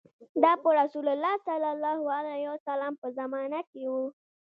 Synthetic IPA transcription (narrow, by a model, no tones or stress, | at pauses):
d̪ɑpəɾasulalːɑsalalːɑhualahiwasalampəzamɑnakewu